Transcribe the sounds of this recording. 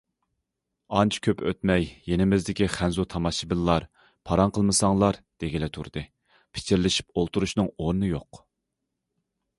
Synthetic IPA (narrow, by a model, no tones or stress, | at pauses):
ɑnt͡ʃʰkʲʰøpø̰t̪mɛjːenɪmɪzd̪ɪkʲiχænzut̪ʰɑmɑʃibɪlˠːɑɾ | pʰɑɾɑnqʰəlˠmɨsɑŋlˠɑɾd̪̥eɡʲilɛt̪ʰuɾd̪̥ɨ | pʰɪ̥t͡ʃʰiɾlɪʃi̥p̚olˠt̪uɾuʃnɨŋoɾnɨjoq